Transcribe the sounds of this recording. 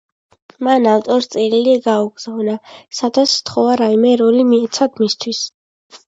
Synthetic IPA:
manavt̪ʼɔɾst̪sʼɛɾiliɛɡauɡz̥avnasad̪at̪st̪ʰχɔvaɾaimɛɾɔlimiɛt̪sʰad̪mist̪ʰwis

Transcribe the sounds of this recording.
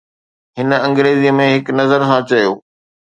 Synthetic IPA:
ɦɪn̆ɐ̃ŋɡɾeːziːəmẽɦɪknɐzəɾsãːt͡ɕɐjoː

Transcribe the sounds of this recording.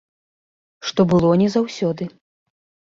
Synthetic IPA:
ʂt̪ɔbɨlˠɔnʲɛzawsʲɔd̪ɨ

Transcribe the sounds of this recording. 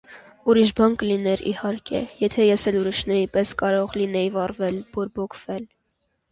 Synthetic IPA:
uɾiʃbɑnkəlinɛɾḭhɑɾkʰɛ̰jɛt̪ʰɛjɛsɛluɾiʃnɛɾipɛskɑɾɔʁlinɛjvɑrvɛlvɔɾbɔkʰvɛl

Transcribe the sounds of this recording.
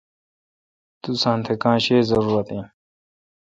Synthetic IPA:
t̪usãːnt̪ʰekãːɕeːzɐɾuːɾɐt̪ẽː

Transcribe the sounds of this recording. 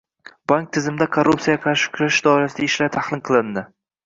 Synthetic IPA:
b̥aŋk̚t̪ʰɪzɪmɪd̪akʰorːupt̪sijaqʰɑɾʃɪ̥kʲʰʊɾaʃd̪ɒɪɾasɪd̪aɪʃlaɾt̪ʰaχlˠɪnqʰɨlˠɪnd̪ɪ

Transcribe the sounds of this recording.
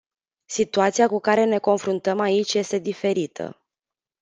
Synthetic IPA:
sit̪uat̪sijakukaɾe̞ne̞ko̞nfɾunt̪əmait͡ʃʲje̞st̪e̞d̪ife̞ɾit̪ʰə̰

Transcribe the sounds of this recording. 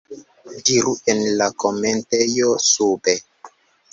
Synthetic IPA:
diɾuenlakomentejosube

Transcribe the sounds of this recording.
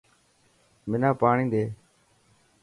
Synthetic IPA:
mɪnãːpaːɳĩːd̪eː

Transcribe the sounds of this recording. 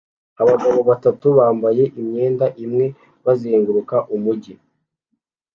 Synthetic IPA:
aβaɡaβo̞βatatuβaːmbaje̞ʔimɲe̞ːndaʔimŋe̞ | βazeːŋɡuɾukaʔumuɟi

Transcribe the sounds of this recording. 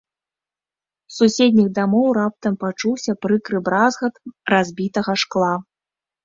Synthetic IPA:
susʲed̪ʲnʲiɣd̪amɔwɾap̚t̪ɐmpat͡ʂuwsʲɐpɾɨkɾɨbɾazɣɐt̪razʲbʲit̪ɐɣɐʂklˠa

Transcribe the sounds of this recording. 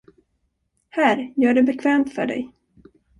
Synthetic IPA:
hæɾjœːɖɛbɛkʰvɛːmt̪fœ̰ɖɛ̰j

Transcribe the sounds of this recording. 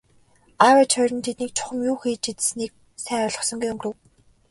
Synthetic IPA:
aːwat͡ɕʰœːɾʲə̆nt̪ʰet̪niːk̚t͡ɕʰʊ̥χə̆mjuːxeːt͡ɕit̪̆sniːk̚ | sæːʊɮʁɞ̆χsɞ̆ŋɡujɵmɡrɘ̆w

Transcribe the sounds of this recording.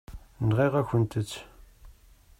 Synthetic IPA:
nʁiʁaçʷənt̪ət͡sː

